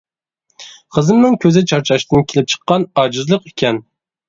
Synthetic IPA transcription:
qʰəzɨmnɪŋkʲʰøzɪt͡ʃʰɑɾt͡ʃʰɑʃt̪ɨnkʲelɪp̚t͡ʃʰə̥qːɑnɑd͡ʒɨzlˠəqikʲʰɛn

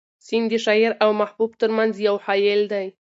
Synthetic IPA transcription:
sind̪əʃɑɪɾawmahbub̚t̪əɾmanzjawhɑjɪld̪aj

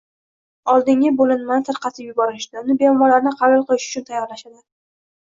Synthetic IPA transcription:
ɒlˠd̪ɪŋʲɪbolɪnmansɨɾqɑsʰɪpjʊbɒɾɪʃd̪aʊnɪbejɒmɒlaɾnɪqʰɑɾɪlˠqʰɨlɪʃʊ̥t͡ʃʰʊnt̪ʰajːɒɾlaʃad̪ɪ

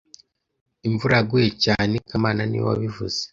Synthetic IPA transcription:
iɱvuɾaɡujecaːnekamaːnanḭwa̰βivuz̥e

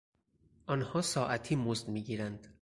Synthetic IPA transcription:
ʔɒːnhɒːsɒːʔæt̪ʰiːmozd̪miːɟiːɾænd̪̥

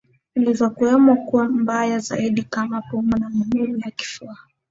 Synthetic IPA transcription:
nilizɔkuɛmɔkuwambajaza̰iɗikamapɔmunamanulijaki̥fua

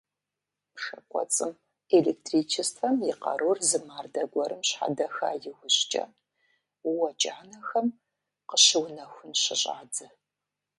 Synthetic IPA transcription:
pʂɐkʷʼɔ̰t͡sʼɨm | elek̚tʰriːt͡ʃʰɪstħɐmjɪqɐ̰rurzɨmaːrdɐɡʷɔɾɨmɕħa̰dɐxa̰ːjɪwʊɕt͡ʃʼɐ̰ | wɐd͡ʒʼaːnɐxɐm | qəɕɪwnɐxʷʊnɕɪɕʼa̰ːdɨ

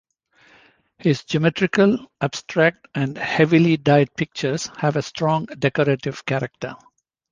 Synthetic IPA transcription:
hɪzd͡ʒimɛʈɾɪkəlæb̥sʈɾæk̚ʈæ̃ɳɖhɛʋiliɖaɪɖ̚pɪk̚t͡ʃəɾz̥hæʋesʈʰɾɔ̃ŋɖɛkɔɾeʈɪʋkæɾək̚ʈə̰

